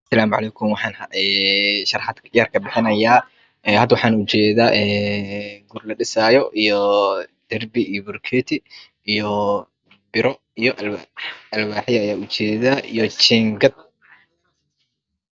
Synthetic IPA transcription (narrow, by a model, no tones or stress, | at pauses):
sɐlaːmʕɑ̰lɛjkʰʊmwɑħɑːnhɐɛːʃɐrħɑd̪jaːrkʰɐbɪħɪnɐjaː | ɛhɐd̪wɑħɑːnʊt͡ʃɛːðaːʔɛː | ɡuːrlɐɖɪsaːjɔʔijɔd̪̥ɐrbɪijɔbʊrkʰɛːt̪ʰɪ | ijɔ | bɪɾɔ | ijɔʔ | ɐlwaːħɪjɐɐjaːʊt͡ʃɛːðaʔḭjɔt͡ʃɛːŋɡɐd̪̚